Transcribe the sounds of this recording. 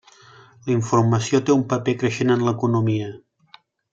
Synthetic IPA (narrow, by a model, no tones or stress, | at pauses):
ləiɱfurməsiot̪eumpəpekɾəʃenənləkunumiə